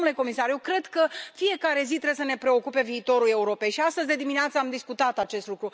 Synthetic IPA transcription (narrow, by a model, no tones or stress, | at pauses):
nule̞ko̞misarje̞wkɾe̞d̪kəfije̞kaɾe̞zit̪ɾe̞besəne̞pɾe̞o̞kupe̞viːt̪o̞ɾule̞uɾo̞pejʃiast̪əzʲd̪e̞d̪imineat̪səamd̪iskut̪at̪at͡ʃe̞st̪lukɾu